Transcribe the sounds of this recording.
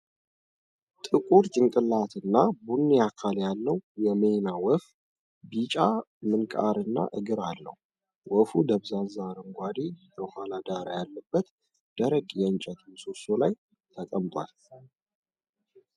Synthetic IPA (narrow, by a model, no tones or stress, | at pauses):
t̪ʼɨkʼuɾt͡ʃʼɨŋkʼɨlat̪ʰɨnːabunːiakʰaljalːəwjɛmenawɔf | bit͡ʃʼamɨnkʼa̰ɾɨnːa̰ʔɨɡɨɾalːə̰h | wɔfud̪əβzanzaɾəŋɡʷad̪ibəhalad̪aɾajalːəbːət̪ | d̪̥əɾəkʼjɛɨnt͡ʃʼɛt̪ʰmsosolaj | t̪ʰəkʼəmt̪ʼwa̰l